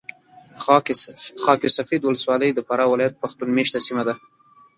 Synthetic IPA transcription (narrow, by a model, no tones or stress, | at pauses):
xɑkisafed̪wʊləswɑləjd̪əfaɾawɪlɑjat̪̚paxt̪unmeʃt̪asimad̪a